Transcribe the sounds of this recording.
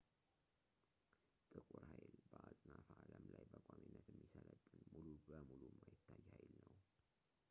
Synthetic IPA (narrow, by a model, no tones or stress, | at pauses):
t̪ʼɨkʼuɾhajlbəʔasʼnafaaləmlajbəkʼaminːət̪ɛmːisələt̪ʼːɨnmulubəmulumːajɪt̪ʰːajːhajlnəw